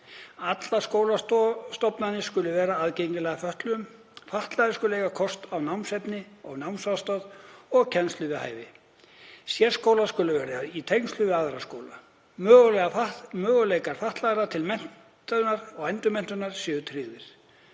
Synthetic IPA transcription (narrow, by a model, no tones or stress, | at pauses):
at̪laskoːwlatst̪ɔpnanɪskʏlːʏvɛːɾaaðcejɲcɪlɛɣafœht̪lʏm | faht̪laɣðɪskʏllejkakʰɔst̪awnawmsɛpnɪɔɣnawmsast̪œðɔɣcʰɛnst̪ʏvɪha̰ːjvɪ | sjɛɾ̥skoːwlaskʏlʏvɛːɾait̪ʰejnst̪ʏvɪaðɾaskowla | mœːɣʏlɛɣamœːɣʏleːjkaɾ̥faht̪laɣɾat̪ʰɪlmɛn̥ | t̪ʏnaɾɔɣajnt̪ʏmɛn̥t̪ʏnaɾ̥sjʏːʏt̪ʰɾiːvɪɾ̥